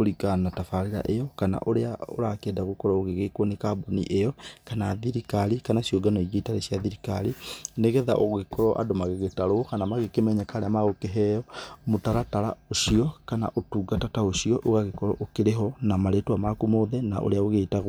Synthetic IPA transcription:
oɾikanatafaɾiɾa̰ʔejɔkana̰ʔoɾeao̰ɾakɛdaɣokɔɾaoɣeɣekwɔnekabonḭʔejɔkanaðiɾikaɾikanasioɡanɔiɣitaɾesjaðiɾikaɾineɣɛða̰ʔoɣekɔɾɔʔa̰domaɣeɣetaɾokanamaɣekemɛɲakaɾeamaɣokeɦɛjɔmotaɾataɾa̰oʃiɔkana̰ʔotuːɡatataoʃiɔʔoɣaɣekɔɾɔʔokeɾeɦɔnamaɾetwamakumoðɛna̰ʔo̰ɾeaoɣetaɣ

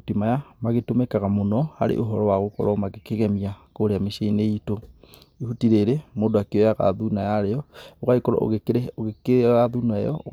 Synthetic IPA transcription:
timajamaɣetomekaɣamonɔha̰ɾḛʔoɦɔɾɔwaɣokɔ̰ɾɔmaɣekeɣɛmiakoɾeameʃeineito | ihutiɾeɾemodoakeɔjaɣa̰ðunajaɾeɔoɣaikɔɾɔ̰oɣekeeɣaðuna̰jɔɣ

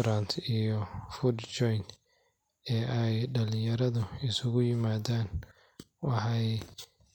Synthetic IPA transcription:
ɾant̪ʰijɔfudt͡ʃɔjn | ɛːʔɛjɖɐlɪjɐɾɐðʊɪsʊɣʊjɪmaːðaːn | wɑħɑj

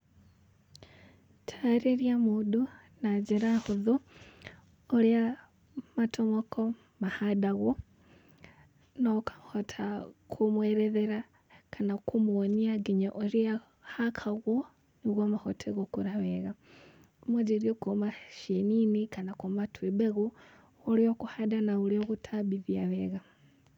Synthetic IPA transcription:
tʰaɾeɾjamuːdu | nad͡ʒeɾahuðo | ɾja | matʰomoko | mahadaɣo | nokḁhotʰakʰumweɾeðeɾa | kʰanakumuoniaɡiɲoʔoɾia | hakʰaɣwo | niɣwamahotʰeɣokuɾaβeɣa | mwed͡ʒeɾiokumaʃeninikanakomatʰwibeɣu | oɾiokuhadanauɾioɣutʰabiðiaβeɣa

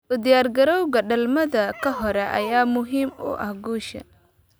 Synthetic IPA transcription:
ʔʊd̪ɪjaːrɡɐɾɔwɣɐɖɐlmɐðɐkʰɐɦɔɾɛʔɐ̰jaːmʊɦiːmʊ̰ʔɐ̰hɡuːʃɐ̰n

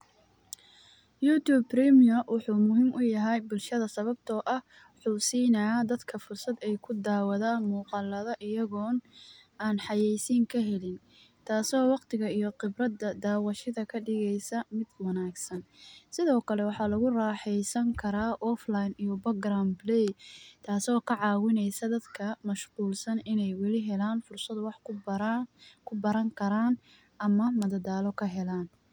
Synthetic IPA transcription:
juːt̪uːbprɛmiɐwɑħuːmʊɦɪmʔʊjɐɦɛjbʊlʃɐðɐsɐβɐb̚t̪ʰɔːʔɐh | ħuːsiːnɐaːd̪ɐd̪kʰɐfʊrsɐd̪ɛjkʰʊd̪aːwɐðɐmuːqɑlːɐðɐʔɪjɐɣɔːnaːnħɑjɛjsɪŋkʰɐɦɛlɪn | t̪ʰaːsɔːwɑqt̪ʰɪɣɐijɔqɪbrɐd̪ɐd̪aːwɑʃɪðɐkʰɐɖɪɣɛjsɐmɪd̪wɐnaːɡsɐnsɪðɔːkʰɐlɛwɑħɑlɐɣʊraːħɛjsɐŋkʰɐɾaːʔɔflajnijɔbɐɡramblɛjt̪ʰaːsɔːkʰɐʕɑːwɪnɛjsɐd̪ɐd̪kʰɐmɐʃquːlsɐnɪnɛjwɛlɪɦɛlaːnfʊrsɐd̪wɑħ | kʰʊbɐɾɐŋkʰɐɾaːn | ɐmɐmɐðɐd̪aːlɔkʰɐɦɛlaːn

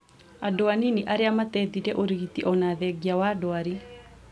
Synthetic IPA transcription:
adoaniniʔaɾeamat̪ɛðiɾɛʔoɾiɣit̪iʔɔnaðɛɡiawadoaɾi

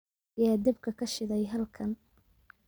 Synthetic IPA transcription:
jaːd̪ɪb̚kʰɐkʰɐʃɪðɛjɦɐlkʰɐn

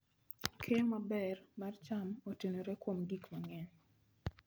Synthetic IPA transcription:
kʰejomabɛrmart͡ʃamotenoɾekwomɡikmaŋɛn

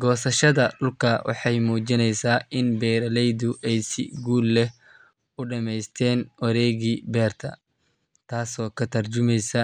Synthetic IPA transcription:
ɡɔːsɐʃɐðɐɖʊlkʰɐwʔɑ̰ħɑjmuːt͡ʃɪnɛjsaːʔɪnbɛːɾɐlɛjðʊʔɛjsɪ̰ɡuːlːɛh | ʊɖɐmɛjst̪ʰɛːnwɐɾɛːɣiːbɛːrt̪ʰɐ̰ | t̪ʰaːsɔːkʰɐt̪ʰɐrt͡ʃʊmɛjsɐ

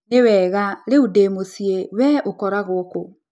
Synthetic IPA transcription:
newɛːɣaɾeudemosiewɛʔokɔɾaɣoːko

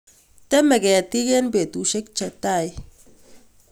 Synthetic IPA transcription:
temeɡeatiɡenbetusek̚t͡ʃataj

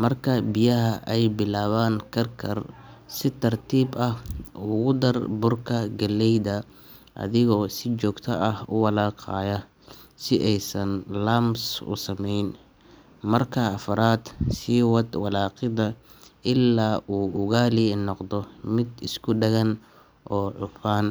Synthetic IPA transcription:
mɐrkʰɐbɪjɐɦɐʔɛjbɪlaːβaːŋkʰɐrkʰɐrsɪt̪ʰɐrt̪ʰiːbɐhuɣʊd̪ɐrbʊrkʰɐɡɐlːɛjðɐ | ʔɐ̰ðɪɣɔːsɪt͡ʃɔːɡt̪ʰɐʔɐhʊ̰wɑlɑːqʰɑːjɐ | sɪʔɛjsɐnlaːmsʊ̰sɐmɛjn | mɐrkʰɐɐfɐɾaːd̪̥siːwɑd̪wɑlɑːqɪðɐ | ʔɪlːaːʔuːʔʊɣaːlɪnɔqd̪ɔmɪd̪ɪskʰʊɖɛɣɐn | ʔɔːʕʊfaːn

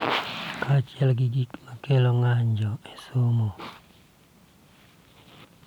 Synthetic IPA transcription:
kat͡ʃɪɛlɡiɡikmakeloŋaɲd͡ʒɔɛsomo

